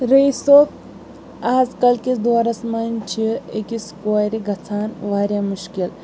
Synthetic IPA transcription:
ɾejsok̚ | aːd͡zkɐlkit͡sd̪ʋaɾɐsmɐnt͡ʃʰiḛkiskojɾiɡʱɐt͡sʰaːnʋaːɾjamuʃkil

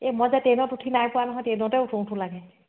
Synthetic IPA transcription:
emɔzatenɔtuʈʰinajpuwanɔɦɔ̃jtenɔtɛutʰow̃tʰũlaɡɛ

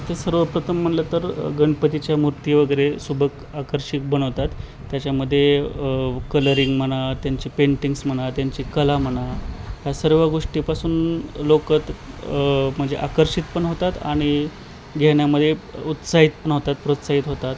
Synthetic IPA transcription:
t̪esəɾʋəpɾət̪ʰəmːəɳlət̪əɾɡəɳpət̪it͡ɕjamuɾt̪jeʋəɡəjɾesubʱək | akəɾʂik̚bəɽ̃əʋt̪at̪ː | jat͡ɕjaməd̪ʱːje | kələɾiŋɡm̤əɽat̪jaɲt͡ɕiːpeɳʈiŋɡsm̤əɽ̃at̪jaɲt͡ɕiːkəlam̤əɽ̃at̪jasəɾʋəɡoʂʈipasuːnlokət̪ | m̤əɳd͡zeʔakəɾɕʂit̪pəɳɦot̪at̪a̰ɽ̃i | ɡʱeɳjaməd̪ʱːjeut̪saɦit̪pəɳɦot̪at̪̚pɾot̪saɦiːt̪ɦot̪at̪

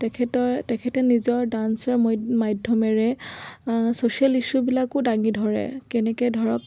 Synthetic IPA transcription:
tɛkʰɛtɔtɛkʰɛtɛnizɔɹdansɔɹmɔmajdʱɔmɛɹɛ | sosialiʃubilakʊdaŋidʱɔɹɛ̰kɛnɛkɔdʱɔɹɔk

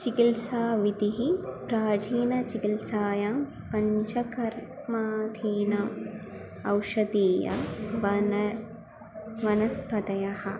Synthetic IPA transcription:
t͡ʃikilsaːʋit̪iɦipɾaːd͡ʒiːnɐt͡ʃikilsaːjam | pɐɲt͡ʃɐkɐɾ | maːt̪ʰiːnɐm | ɐwʃɐd̪iːjɐ̰ʋɐn | ʋɐnɐspʰɐt̪ɐjɐhɐ

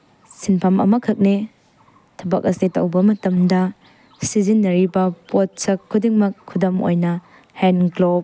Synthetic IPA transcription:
sinpʰɐmɐ̰mɐkʰɐk̚ne | tʰɐbɐk̚ɐsitɐ̰wbɐmɐtɐmdɐ | sizinːɐɾibɐpot̚sɐkʰːudiŋmɐkʰːudɐmo̰jnɐ | henɡlob̚

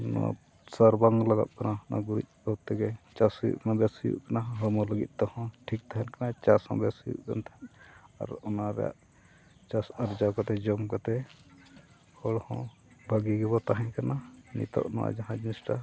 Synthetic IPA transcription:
nɔ̰a̰ | səɾbaŋlaɡa̰t̪̚kanana̰ɡuɾit̪̚bat̪ɛɡɛt͡ʃasujṵʔmabɛsujṵʔkanaɦəmɔləɡḭt̪̚ˀt̪ɔhɔ̃ʈʰik̚t̪aɦɛnkanat͡ʃasɔ̰̃bɛsujṵʔka̰nt̪aɦɛna̰ɾɔnaɾɛ̰ja̰ʔ | t͡ʃasaɾd͡ʒakat̪ɛd͡ʒɔmkat̪ɛ | hɔɽhɔ̃ | bʱaɡiɡɛbɔt̪aɦɛ̃ɲkananḭt̪ɔ̰ʔnɔ̰wa̰d͡ʒaɦãd͡ʒinisʈa

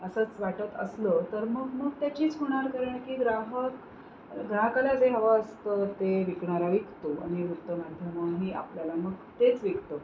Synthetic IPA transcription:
əsəːt͡sʋaʈət̪ə̰slət̪əɾməɡməɡ̚t̪jat͡ɕiːt͡sɦuɽ̃aɾkəɾəɳkiːɡɾaɦək | ɡɾaɦkaljad͡zeɦəʋaəst̪ət̪eʋikɳaɾaʋikt̪oa̰ɽ̃iɾut̪ːəmad̪ʱjəməɦiʔa̰pljalaməɡt̪et͡sʋikt̪ə

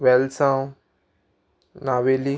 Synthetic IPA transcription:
wɛlsãw | naweli

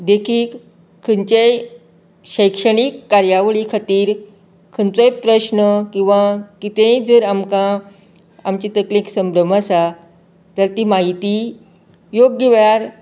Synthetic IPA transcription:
d̪ekʰiːk | kʰːənt͡ɕej | ɕəjkʂəɽ̃ikːaɾjaʋɭikʰat̪iːɾ | kʰənt͡səjpɾəɕnəkĩw̃ʋãkit̪ẽjd͡zəɾamkã | amt͡ɕit̪əklĩksəmbɾəm̤asa | t̪aɾt̪iːmaɦit̪i | joɡːeʋjaɾ

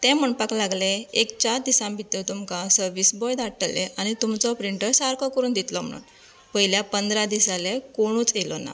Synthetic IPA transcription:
t̪ɛ̃m̤əɳpaklaɡleekt͡ɕaɾd̪isãmbʱit̪ət̪umkãsəɾʋisbɔjd̪aʈəlːeʔañit̪umt͡sɔpɾiɳʈəɾsaɾkɔkəɾuːnd̪it̪lɔm̤əɽṵːn | pəɦiljapənd̪ɾad̪isalekoɽ̃ũːt͡selɔna̰

